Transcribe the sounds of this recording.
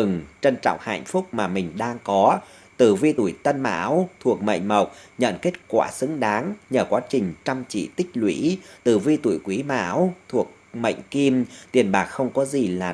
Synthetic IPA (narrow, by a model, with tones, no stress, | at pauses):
ɨ˨˩ŋt͡ɕə˧nt͡ɕɔ̰˧˨ŋ͡mha̰ː˧˨ŋ̟fʊ˦˥k͡p̚maː˨˩mï˨˩ŋ̟ɗaː˧ŋkɔ˨˦ | t̪ɨ˨˩vi˧t̪ṵ˧˩jt̪ə˧nma̰ː˧˥wt̪ʰu˨˩ək̚mə̰˧˨jŋ̟mə˨˩wk͡p̚ɲə̰˧˨nke˦˥t̚kwa̰ː˧˩sɨ˨˦ŋɗaː˨˦ŋɲəː˧˩kwaː˨˦t͡ɕï˨˩ŋ̟t͡ɕa˧mt͡ɕḭ˧˨t̪ï˦˥k̟̚lwḭ˧˥t̪ɨ˨˩vi˧t̪ṵ˧˩˨jkwi˨˦ma̰ː˧˥wt̪ʰu˨˩ək̚mə̰˧˨jŋ̟ki˧mt̪i˨˩ənɓaː˨˩k̚xə˧wŋ͡mkɔ˨˦zi˨˩laː˨˩